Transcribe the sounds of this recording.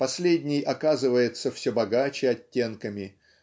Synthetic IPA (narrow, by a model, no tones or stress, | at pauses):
pɐsʲlʲedʲnʲɪjʔɐkazɨvəjɪt̪səfsʲɵbɐɡat͡ɕɪɐtʲːe̞nkəmʲɪ